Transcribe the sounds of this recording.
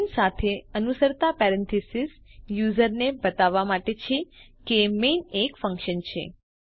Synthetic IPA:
nsat̪ʰeənusəɾt̪apɛɾɛ̃nt̪ʰisis | juzəɾnebət̪aʋamaʈet͡ʃʰe | kemenekfə̃ŋkʃənt͡ʃʰḛ

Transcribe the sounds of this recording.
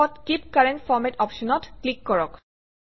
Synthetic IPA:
ɔtkip̚kaɹɛntfɔɹmɛtɔpʃɔnɔtklikːɔɹɔk

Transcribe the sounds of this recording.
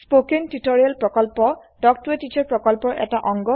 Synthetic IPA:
spokentutoɹialpɹɔkɔlpɔ | dɔk̚tuetit͡ʃʰɔɹpɹɔkɔlpɔɹʔɛ̰taʔɔŋɡɔ

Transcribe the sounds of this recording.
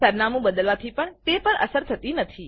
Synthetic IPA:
səɾnamũbəd̪əlʋat̪ʰipəɳt̪epəɳʔə̰səɾt̪ʰət̪inət̪ʰi

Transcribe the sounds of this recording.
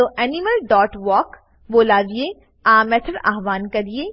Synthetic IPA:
oʔɛːnɪməlɖɔːʈʋɔːk | boːlaːdie | aːmɛt̪ʰəɾa̰ɦʋaːnkɐɾieː

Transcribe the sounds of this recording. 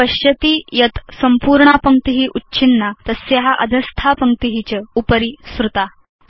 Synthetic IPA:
əɕjət̪iːjɐt̪səmpuːɾɳapəŋk̚t̪iɦiʔutːɕʰinːat̪əsjeɦaʔəd̪ʱəst̪ʰapəŋk̚t̪iɦit͡ɕəupəɾisɾut̪a

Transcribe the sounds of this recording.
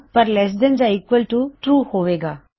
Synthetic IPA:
pɐɾlɛs̬ɖ̪ə̃nd͡ʒaikʋəlʈuʈɾuːhoːʋeːɡaː

